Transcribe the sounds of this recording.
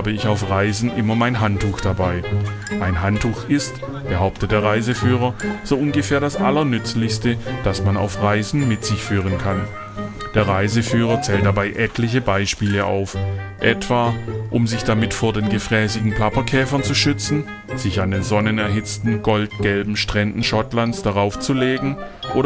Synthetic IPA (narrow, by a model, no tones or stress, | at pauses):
bəɪçaʊfʁaɪzn̩ʔɪmɐmaɪnɦantuːxd̥abaɪ | ʔaɪnɦantʰuːxɪst | b̥əɦaʊp̚tət̚d̥eːɐʁaɪzəfyːʁ̞ɐz̥oːʔʊnɡəfɛːɐdasʔa̰lɐnʏt͡slɪçstəd̥asmana̰ʊfʁaɪzn̩mɪtz̥ɪçfyːʁ̞ənkʰan | d̥eːɐʁaɪzəfyːʁ̞ɐt͡sɛːltd̥abaɪʔɛtʰlɪçəbaɪʃpiːləʔa̰ʊfʔɛtv̥aːʔʊmzɪçd̥amɪtfoːɐdeːnɡəfʁ̥ɛːsɪɡŋ̩pl̥apɐkʰɛːfɐnt͡suʃʏt͡sn̩ | z̥ɪçandeːnzɔnənɛɐɦɪt͡stn̩ɡɔlt̚ɡ̥ɛlbm̩ʃtʁ̥ɛndn̩ʃɔtlansd̥aʁaʊft͡suleːɡŋ̩ | ʔoːɾ